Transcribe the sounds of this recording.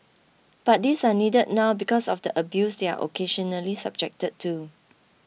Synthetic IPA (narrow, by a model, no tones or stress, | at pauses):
b̥at̚disanidəd̚nawbikɔsɔfdəʔəbjusdea̰ʔo̰kʰeʃɔnəlisab̚d͡ʒɛk̚təd̚tʰːu